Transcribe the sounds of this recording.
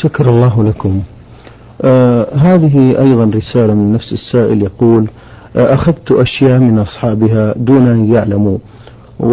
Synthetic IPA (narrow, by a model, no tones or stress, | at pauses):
ʃakɑɾˤɑlˤːɑːɦlakʊm | ɦaːðɪɦiʔɑjðˤɑnɾɪsaːlamɪnːafsɪsːaːʔɪljɑquːl | ʔaxaðt̪ʊʔaʃjaːʔmɪnʔɑsˤħɑːbɪɦad̪uːnʔanjaʕlamu | w